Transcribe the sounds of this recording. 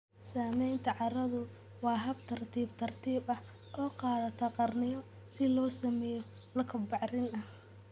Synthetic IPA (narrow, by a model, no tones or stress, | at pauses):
saːmɛjnt̪ʰɐʕɑɾɐðʊ | wɑːɦɐbt̪ʰɐrt̪ʰiːbt̪ʰɐrt̪ʰiːbɐh | ʔɔːqɑːðɐt̪ʰɔqɑrnɪjɔ | sɪlɔːsɐmɛːjɔ | lɐkʰɐbɑʕrɪnɐh